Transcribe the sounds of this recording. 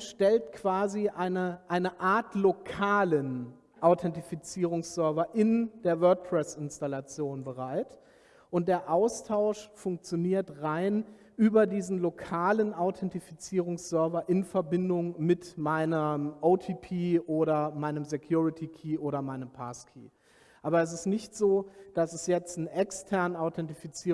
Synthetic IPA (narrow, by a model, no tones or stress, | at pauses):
ʃtɛltkv̥aːziʔaɪnəʔaɪnəʔaɐtlokʰaːlən | ʔaʊtʰɛntifit͡siːʁ̞ʊŋsz̥œɐvɐʔɪnd̥eːɐvœɐk̚pʰʁ̥ɛsɪnstalat͡sjoːnbəʁaɪt | ʔʊnt̚d̥eːɐʔaʊstʰaʊʃfʊŋk̚t͡sjoniːɐtʁaɪn | ʔyːbɐdiːzn̩lokʰaːlənʔaʊtʰɛntifit͡siːʁʊŋsz̥œɐvɐʔɪnfɛɐbɪndʊŋmɪtmaɪnəʔoʊtʰiːpʰiːʔoːɾɐmaɪnəmzekʰjuːʁɪtʰikʰiːʔoːɾɐmaɪnəmpʰaːskʰḭː | ʔaːbɐɛs̬ɪstnɪçtz̥oːd̥asɛsjɛt͡stn̩ʔɛkstʰɛɐnənaʊtʰɛntifit͡siː